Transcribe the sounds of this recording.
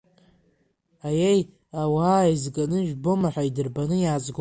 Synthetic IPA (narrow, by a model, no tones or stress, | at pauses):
ajej | awaaizɡanɨʒᶣbo̞maħʷaidɨrbanɨjaːt͡sʼɡʷ